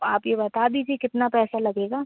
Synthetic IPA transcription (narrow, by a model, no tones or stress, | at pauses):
aːpjebɐt̪aːd̪id͡ʒikɪt̪napɛːsalɐɡeːɡaː